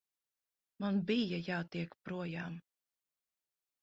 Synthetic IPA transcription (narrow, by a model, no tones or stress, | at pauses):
manbijajaːt̪iɛkpɾuɔjaːm